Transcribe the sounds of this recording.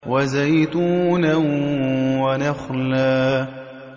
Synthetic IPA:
wazajt̪uːna | wanaxlaː

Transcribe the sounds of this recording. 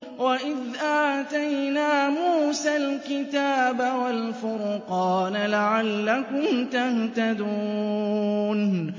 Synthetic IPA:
waʔɪðʔaːt̪ajnaːmuːsalkɪt̪aːbawalfʊɾqɑːnlaʕalːakʊmt̪aht̪ad̪uː | n

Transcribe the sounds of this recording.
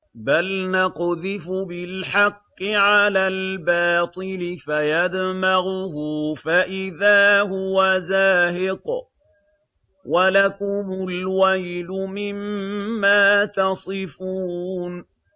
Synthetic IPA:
balnɑqðɪfʊbɪlħɑqːɪʕalaːlbɑːt̪ˤɨlɪfajad̪maɣʊhʊfaʔɪðaːhʊwazaːhɪq | walakʊmʊlwajlʊmɪmːaːt̪ɑsˤɨfuːn

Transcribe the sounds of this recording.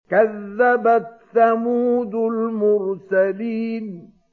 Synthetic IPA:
kaðːabatːamuːd̪ʊlmʊɾsaliːn

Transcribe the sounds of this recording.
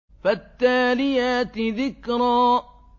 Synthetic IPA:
fat̪ːaːlɪjaːt̪ðɪkɾˤɑː

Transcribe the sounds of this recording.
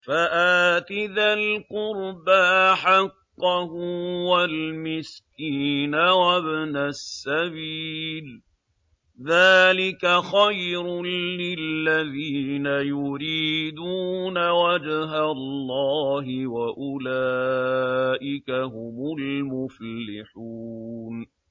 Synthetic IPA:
faʔaːt̪ɪðalqʊɾbaʔħɑqːɑhʊwalmɪskiːnawabnasːabiːl | ðaːlɪkaxajɾʊlɪlːaðiːnajʊɾiːd̪uːnawad͡ʒɦalːɑːɦɪwaʔʊlaː | ʔɪkaɦʊmʊlmʊflɪħun

